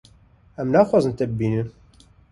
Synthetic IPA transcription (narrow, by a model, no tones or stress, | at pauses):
ɛmnɑːxʷwɑːzɨnt̪ɛbɨbiːnɨ